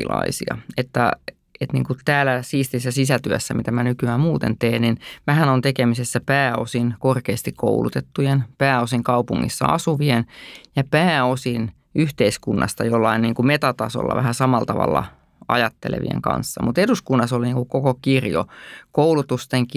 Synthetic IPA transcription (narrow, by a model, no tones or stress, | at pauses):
ilɑ̰isḭɑ̰et̪ːæ | et̪nḭŋkut̪æːlæsiːst̪isːæsisæt̪yøsːæmit̪æmænykyæːmmuːt̪ḛnt̪eːnninmæɦænont̪ekemisesːæpæːosinkorkeːst̪ikko̰ulṵt̪et̪ːujenpæːosiŋkɑupuŋːḭsːɑ̰ɑ̰suʋienjɑpæːosin | yht̪eiskunːɑ̰st̪ɑjolːɑiniːŋkumet̪ɑt̪ɑso̰lːɑ̰ʋæ̰hæsɑmɑlt̪ɑʋɑ̰lːɑ̰ | ɑ̰jɑt̪ːḛlḛʋḭḛŋkɑ̰nsːɑmut̪eduskunːɑsoliniːŋkukokokirjo̰koulut̪ust̪eŋk